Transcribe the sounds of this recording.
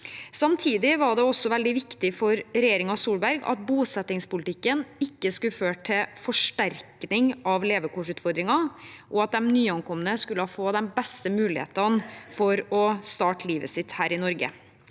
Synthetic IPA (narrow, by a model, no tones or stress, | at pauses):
sɑmt̪ʰiːd̪ɪʋɑɖɛɔsːɔʋɛld̪ɪʋɪkt̪ɪfɔɾɾɛjeːɾɪŋɑsuːlbæɾɡɑ̰t̪̚buːsɛt̪ːɪŋspʊlt̪ʰɪkːənɪkːəskʉføːʈʰɪlfɔʂʈæɾknɪŋɑʋleːʋəkʰɔʂʉːt̪fɔɾd̪ɾɪŋɑʔɔɑt̪̚d̪ɛmnyːɑŋkʰɔmːənəskʉləhɑːfoːd̪ɛnbɛst̪əmʉːlɪhḛːt̪ɑnfɔɾɔst̪ɑːʈəliːʋə̰sɪt̪hæːɾɪnɔɾɡə̰